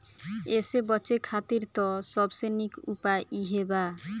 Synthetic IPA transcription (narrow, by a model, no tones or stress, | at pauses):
esebɔt͡ɕekʰat̪iɾt̪ɔsɔbsenikupaeʔiɦeba